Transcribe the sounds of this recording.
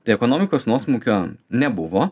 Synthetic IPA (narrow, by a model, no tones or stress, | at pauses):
t̪ɐɪɛkoːnoːmʲɪkoːsnuɔsmuːkʲoːnʲɛbʊʋoː